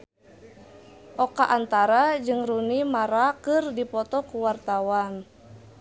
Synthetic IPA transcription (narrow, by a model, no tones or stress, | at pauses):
ʔɔkaʔant̪aɾad͡ʒɨŋrunimaɾakɨrdipɔt̪ɔkuwart̪awan